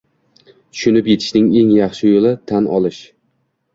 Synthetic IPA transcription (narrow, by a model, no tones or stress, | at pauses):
t̪ʰʊ̥ʃʊnɪpje̞t̪ʰɪ̥ʃnɪŋe̞ŋjɑχʃɪjolˠɪt̪ʰanʔɒ̰lˠɪʃ